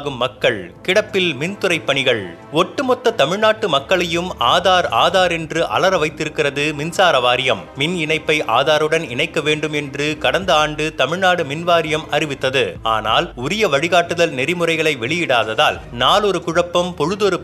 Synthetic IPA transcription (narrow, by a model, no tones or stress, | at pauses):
ɣɯmːɐkːɐɭkɪɽɐpːɪlmɪnt̪ɯrɐɪpːɐɳɪɣɐɭ | ɔʈːɯmɔt̪ːɐt̪ɐmɪɻnaːʈːɯmɐkːɐɭɐjɯmaːðaːɾaːðaːɾɛndrɯʔɐ̰lɐɾɐʋɐɪt̪ːɪɾɯkːɪrɐðɯmɪnsaːɾɐʋaːɾɪjɐmːɪnɪnɐɪpːɐɪʔa̰ːðaːɾɯɽɐnɪnɐɪkːɐʋeːɳɖɯmɛndrɯkɐɽɐnd̪ɐaːɳɖɯt̪ɐmɪɻnaːɽɯmɪnʋaːɾɪjɐmʔɐɾɪʋɪt̪ːɐðɯa̰ːna̰ːlʊɾɪjɐʋɐɻɪɣaːʈːɯðɐlnɛɾɪmɯrɐɪɣɐɭɐɪʋɛɭɪjɪɽaːðɐðaːlnaːlɔɾɯkʊɻɐpːɐmpɔɻɯðɔɾɯ